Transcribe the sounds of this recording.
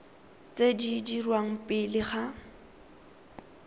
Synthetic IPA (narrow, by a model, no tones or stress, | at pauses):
t͡sʼedidirwaŋ̩pʼɪlɪχa